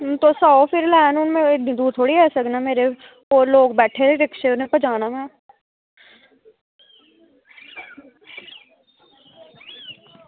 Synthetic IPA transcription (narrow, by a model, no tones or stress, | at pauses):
t̪oːsaːopʰɪɾlɛːnʊnmẽɪnĩd̪uːɾt̪ʰoːɽiɛːsəknaːmeːɾe | oːɾloːɡ̚bɛːʈʰeɾeɾɪkʃeːʊnẽpəd͡ʒaːnaːmɛ̃ː